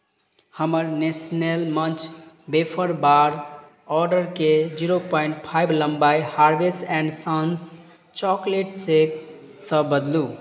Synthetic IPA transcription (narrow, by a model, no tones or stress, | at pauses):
həməɾnesnelmə̃t͡ʃʰ | bepʰəɾbaɾ | ɔɾɖəɾked͡ʒiɾopɔĩɳʈ̚pʰajbʱləmbajhaɾbesɛ̃ɳɖsãns | t͡ʃɔkleʈsek | səbəd̪lu